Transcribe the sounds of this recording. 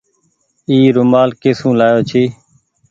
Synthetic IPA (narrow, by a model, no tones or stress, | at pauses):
iːɾʊmaːlkeːsũːlaːjoːt͡ʃʰiː